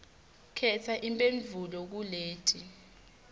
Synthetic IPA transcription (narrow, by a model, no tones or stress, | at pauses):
kʰɛtʰaʔimpʼeɱvʱulɔk̬uleːtʼi